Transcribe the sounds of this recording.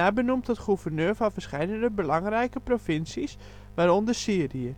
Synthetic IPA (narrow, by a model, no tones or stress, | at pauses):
abənumtətχuvərnøːɹvɔnfəɹsχɛjdəndəbəlɑŋrɛjkəprofɪnsis | ʋaɾondəsiəriə